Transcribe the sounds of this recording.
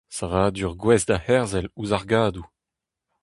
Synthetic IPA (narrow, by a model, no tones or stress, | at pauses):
savaːdyʁɡwɛsd̪ahɛʁzɛluzaʁɡaːd̪u